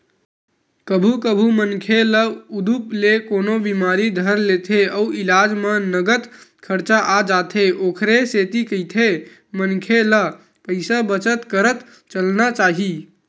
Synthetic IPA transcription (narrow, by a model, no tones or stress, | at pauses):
kəbʱukəbʱumənkʰeləud̪uplekonobimaɾid̪ʱəɾlet̪ʰeəuʔilad͡ʒmenəɡət̪kʰəɾt͡ʃaʔad͡ʒat̪ʰeʔokʰɾeset̪ikəjt̪ʰe | mənkʰelə | pəɪsabət͡ʃət̪kəɾət̪ | t͡ʃəlnat͡ʃaɦi